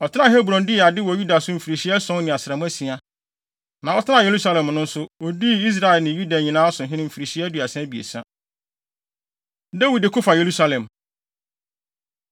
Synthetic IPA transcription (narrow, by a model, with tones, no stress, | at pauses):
ɔ˨tʰɪ˦nã˦˨he˦bɾɔ̃˨ndɪ˦˨a˨dɪ˦wɔ˨ju˦da˨sʊ˦m̩˨fi˨ɾi˨ɕi˦ɛ˦sɔ̃˦nɪ̃˨a˨sɪ˨ɾa˨mʊ̃˦æ˦sĩ˨a˨ | nã˨ɔ˦tʰɪ˦nã˦˨je˨ɾu˦sa˦lɛ̃˨mnʊ̃˦n̩˦sʊ˦ɔ˨di˦i˦s̬ɾa˦ɛ˨lnɪ̃˨ju˦da˨ɲĩ˨nãː˦a˦sʊ̃˨ɦɪ̃˦ɪ̃˦m̩˨fi˨ɾi˨ɕi˦ɛ˦du˨a˨sɛ̃˦bi˨ḛ˨sã̰˦ | da˦wi˨dɪ˨kʰʊ˦fa˨je˨ɾu˦sa˦lɛ̃˨m